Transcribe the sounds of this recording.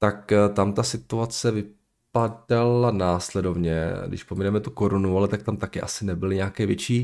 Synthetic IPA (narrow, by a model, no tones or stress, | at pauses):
t̪akt̪amt̪asɪt̪uat͡sɛvɪ | padalanaːslɛdo̞vɲɛɡdɪ̰ʃpominɛmɛt̪ukoɾonualɛt̪ak̚t̪amt̪akɪʔa̰sɪnɛbɪlɪɲɛakɛːvjɛt͡ʃiː